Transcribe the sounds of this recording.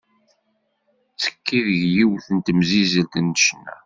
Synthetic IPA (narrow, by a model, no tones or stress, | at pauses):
t͡sːə̥kʰːiðəʝjiwθənt̪əmzizəlt̪ənːəʃnːæ̰